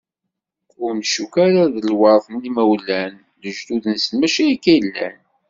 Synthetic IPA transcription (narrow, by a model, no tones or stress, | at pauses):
ʊɾmʃukaɾaðəlwɑɾˤθˤmlimæwlːæn | ðəʒd̪uðnəsəlmæʃæikːæjlːæ̰n